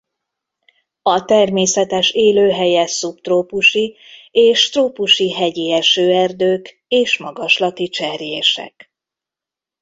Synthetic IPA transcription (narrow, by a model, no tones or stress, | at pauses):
ɒt̪ɛrmeːsɛt̪ɛʃeːløːɦɛjɛsupt̪roːpuʃieːʃt̪roːpuʃiɦɛɟiɛʃøːɛrd̪øːk | eːʃmɒɡɒʃlɒt̪it͡ʃɛrjeːʃɛ̰k